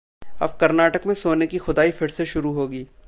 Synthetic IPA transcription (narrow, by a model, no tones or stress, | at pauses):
ɐ̰bkɐɾnaːʈəkmẽsoːnekixʊd̪aːipʰɪɽseʃʊɾuɦoːɡiː